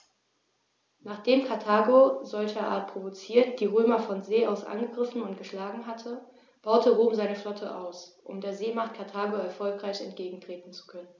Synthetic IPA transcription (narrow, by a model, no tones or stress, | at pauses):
naːχd̥eːmkʰaɐtʰaːɡozɔlçɐʔa̰ːɐt̚pʁ̥ovot͡siːɐtd̥iːʁøːmɐfɔnzeːʔaʊsʔa̰nɡəɡʁɪfn̩ʊntɡ̥əʃlaːɡŋ̩ɦatʰə | b̥aʊtəʁoːmzaɪnəflɔtʰəʔa̰ʊsʔʊ̰mdeːɐzeːmaχt̚kʰaɐtʰaːɡoɛɐfɔlkʁ̥aɪçɛ̰ntɡ̥eːɡŋ̩tʁ̥eːtn̩t͡su̥kʰœnən